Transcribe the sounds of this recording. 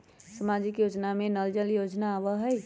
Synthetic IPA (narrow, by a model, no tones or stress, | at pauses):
səmad͡ʒɪkjoːd͡ʒnamẽnəld͡ʒəljod͡ʒnaːbəɦəj